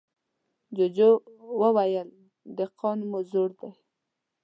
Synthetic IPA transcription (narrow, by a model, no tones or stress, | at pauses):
d͡ʒod͡ʒowəwajəl | d̪əqʰɑnmʊzoɽd̪aj